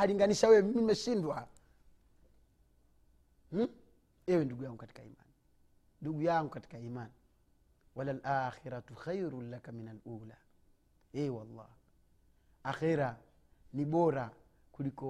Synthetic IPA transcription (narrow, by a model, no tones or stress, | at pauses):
haliŋɡaniʃawɛmimimɛʃindwa | ɛwɛnduɡujaŋɡukati̥kaḭma̰n | nduɡujaŋɡukati̥kaiːman | walalʔaːxiɾatuxajɾulakaminaluːla | ɛwalˤːɑ̰ː | axɛɾa | niɓɔɾa | kulikɔ